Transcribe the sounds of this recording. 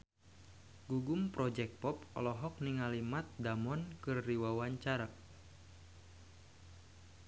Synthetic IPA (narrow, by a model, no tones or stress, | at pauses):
ɡuɡumpɾɔd͡ʒɛk̚pɔpɔ̰lɔɦɔk̚niŋalimat̪̚damɔnkɨrːiwawaɲt͡ʃaɾa